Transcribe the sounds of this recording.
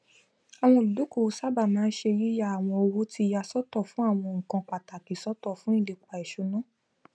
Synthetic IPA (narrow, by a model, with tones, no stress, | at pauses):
a˨w̃ɔ̃˧˨lu˨du˨˦ko˦˨˦sa˦ba˦˨mãː˦n̩˦ʃe˧ji˦ja˧˦a˨w̃ɔ̃˧o˧wo˦ti˧ja˧sɔ˦tɔ˦˨fũ˨˦a˦˨w̃ɔ̃˧˨ŋ̩̃˨kã˧k͡pa˨ta˨ki˨sɔ˦tɔ˦˨fũ˦ĩ˦˨le˨˧k͡pa˧˨i˨ʃo˨˧nã˦